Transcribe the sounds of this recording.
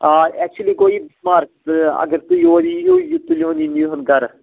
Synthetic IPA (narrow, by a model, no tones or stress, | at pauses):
aɛk̚t͡ʃuəliːɡoːibsmaːɾksɐ̰ɡəɾt̪uioːdijoːjut̪ulõːninuːɦənɡəɾ